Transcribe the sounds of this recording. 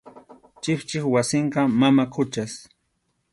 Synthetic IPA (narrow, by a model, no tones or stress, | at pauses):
t͡ʃɪχt͡ʃɪχwasɪɴɢɑmamakʰʊt͡ʃas